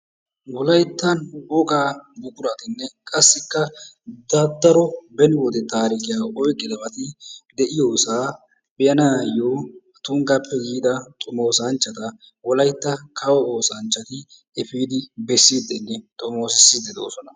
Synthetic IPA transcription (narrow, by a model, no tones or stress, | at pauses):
wɔlɐjt̪ːɐnɔkʼaːbʊkʼʊɾɐt̪ɪnːɛkʼɐsːɪkːɐ | d̪ɐd̪ːɐɾɔbɛnɪwɔd̪ɛt̪aːɾɪkɪjaːʔɔjkʼːɪd̪ɐmɐt̪ɪd̪ɛʔɪjoːsaː | bɛjɐnaːjoːɐt̪uːŋɡɐpːɛɡiːd̪ɐt̪ʼʊmo̞ːsɐnt͡ʃːɐt̪ɐ | wɔlɐjt̪ːɐkʰɐwɔoːsɐnt͡ʃːɐt̪ɪ | ɛfiːd̪ɪbɛsːiːd̪ɛnːɛt̪ʼʊmoːsɪsːɪd̪ɛd̪o̰ːsɔnɐ